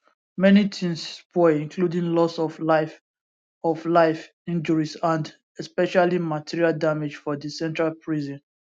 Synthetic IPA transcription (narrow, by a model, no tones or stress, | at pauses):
mɛnitʰĩnspɔĩŋkʰludĩnlɔsɔfaf | ɔflaɪf | ĩnd͡ʒɔɹisãnd | ɛspɛʃalimatʰiɹialdamed͡ʒfɔdisɛ̃ntɹalpʰɹizɔ̃n